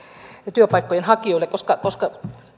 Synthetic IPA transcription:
t̪yøpɑikːojenhɑkioilekoskɑkoskɑ

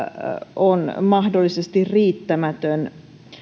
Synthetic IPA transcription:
onmɑhdolːisest̪irriːt̪ːæmæt̪øn

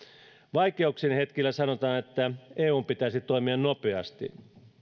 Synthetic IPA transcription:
ʋɑikeuksinhe̞t̪k̟ilːæsɑnot̪ɑːnet̪ːæeːuːmpit̪æisit̪o̞imiɑnnopeɑ̰st̪ḭ

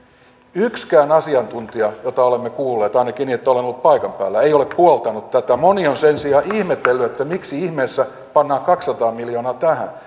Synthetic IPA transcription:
ykskæːnɑsiɑnt̪unt̪iɑjot̪ɑolemːekuːlːeːt̪ɑinɑkiniːet̪ːæolenolːut̪̚pɑikɑmpæ̰ːlːæeioleppuolt̪ɑnut̪t̪æt̪æmonionsensiɑːʔihmet̪ːelːyet̪ːæmiksiihmeːsːæ | pɑnːɑːŋkɑksːɑt̪ɑːmilioːnɑːt̪æhæ̰n

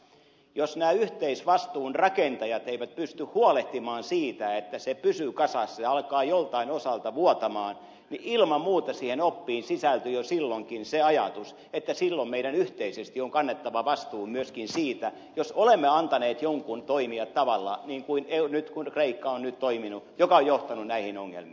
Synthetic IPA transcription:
josnæːyht̪eisʋɑst̪uːnrɑkent̪ɑjɑt̪eiʋæt̪̚pyst̪yhhuoleht̪imɑːnsiːt̪æet̪ːæsepysykɑsɑsːɑseɑlkɑːjolt̪ɑinosɑlt̪ɑʋuot̪ɑmɑːn | niʔilmɑmmuːt̪ɑsiːhenopːiːnsisælt̪yjosilːoŋkinseɑjɑ̰t̪us | et̪ːæsilːommeiɾænyht̪eisest̪ioŋkɑnːet̪ːɑʋɑʋɑst̪uːmyøskinsiːt̪æ | josolemːeɑnt̪ɑneːt̪joŋkunt̪oimiɑtt̪ɑʋɑlːɑ̰niːŋkuinenyt̪kunkreikːɑonnyt̪t̪oiminujokɑojjoht̪ɑnunnæihinoŋːḛlmḭː

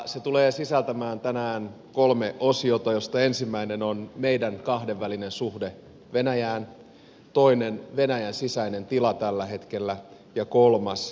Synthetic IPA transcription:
set̪uleːsisælt̪æmæːnt̪ænæːn | kolmeʔosiot̪ɑjost̪ɑensimːæinenonmeidæŋkɑhdeʋːælinensuhde | ʋenæjæːn | t̪oinenʋenæjænsisæinent̪ilɑt̪ælːæɦet̪kelːæ | jɑkolmɑs

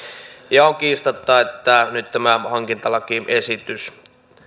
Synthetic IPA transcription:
jɑoŋkiːst̪ɑt̪ːɑet̪ːænyt̪t̪æmæhɑŋkint̪ɑlɑkiesit̪ys

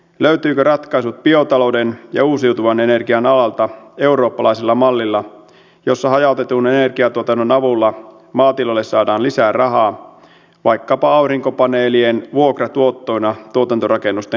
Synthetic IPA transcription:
løɥt̪yːkørɑt̪kɑisut̪̚pio̞t̪ɑlowdenjɑ̰uːsiwt̪uʋɑne̞ne̞rɡiɑnɑlɑlt̪ɑe̞uɾo̞ːpːɑlɑjselːɑmɑlːilːɑ | jo̞sːɑɦɑjɑˑut̪et̪unene̞rɡiɑt̪uot̪ɑnːonɑʋulːɑ | mɑːt̪ilolːessɑːdɑːnlisæːrɑɦɑː | ʋɑjkːɑpɑɑuriŋkopɑneːlienʋuokrɑt̪uo̞t̪ːo̞inɑt̪uot̪ɑnt̪orɑkenːust̪e

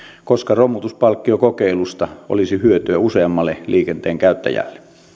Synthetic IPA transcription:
koskɑromut̪uspɑlkːiokokeˑilust̪ɑʔo̰lisihyøt̪yæuseɑmːɑlːeliːkent̪eːŋkæˑøt̪ːæ̰jæ̰lːe

